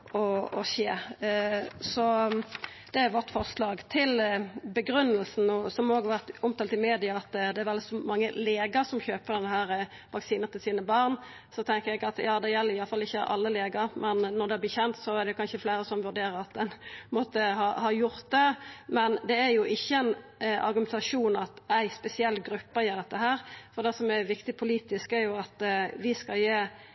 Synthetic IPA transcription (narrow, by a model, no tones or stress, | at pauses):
ɔɔɕeː | sɔ | d̪̥ɛæjʋɔt̪fɔʁslɑːɡt̪ʰɪlbəɡɾʉnːəlsn̩ɔsɔmoːɡhɑʋæʁt̪ʊmt̪ʰɑːlt̪ɪmeːd̪ɪɑɑt̪d̪ɛæɾʋɛlɪsɔmɑŋːəleːɡɑsɔmçøːpəʁd̪ɛnəhæːɾə | ʋɑksiːnət̪ɪlsiːnəbɑʁn | sɔt̪ʰɛŋkəjæɡɑt̪jɑːd̪ɛjɛlːəɾɪjɑlfɑlːɪçːəʔɑ̰lːəleːɡɑɾmɛnːɔd̪ɛb̪iːçɛnt̪sɔæɾd̪ɛjʊkɑnʃəfleɪɾəsɔmʋʉɾd̪eːɾəɾɑt̪̚d̪ɛnmɔt̪ːəhɑhɑjʊɾt̪̚d̪ɛmɛnd̪ɛæɾjʊʔɪçːəɛɪnʔɑ̰ɾɡʉmɛnt̪ɑʂuːnɑt̪æɪspɛsɪɛlːɡɾʉpːəjeːɾd̪ɛt̪ːəɦæːɾfɔɾd̪ɛsɔmæɾʋɪkt̪ɪpʰʊliːt̪ɪskæɾjʊɑt̪ʋɪskɑljeː